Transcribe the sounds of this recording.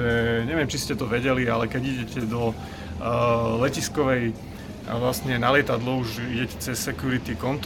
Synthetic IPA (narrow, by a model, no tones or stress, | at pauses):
ɛɲɛʋɪɛmt͡ʃiscɛt̪ɔʋɛɟɛlialɛkɛɟiɟɛcɛd̪ɔ | lɛciskɔʋɛj̰ | ʋlast̪ɲɛnalɪɛt̪ad̪lɔuʒiɟɛcɛ̥t͡sɛsːɛkjuɾit̪ikɔnt̪